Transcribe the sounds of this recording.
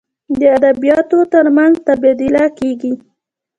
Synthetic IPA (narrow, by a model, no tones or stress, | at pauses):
d̪əad̪abijɑt̪ot̪əɾmanzt̪abed̪ilakeɡi